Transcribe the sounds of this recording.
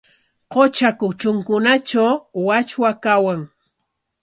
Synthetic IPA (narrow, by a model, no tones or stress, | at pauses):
qot͡ʃakʊt͡ʃʊŋkʊnat͡ʃawwat͡ʃwakawaŋ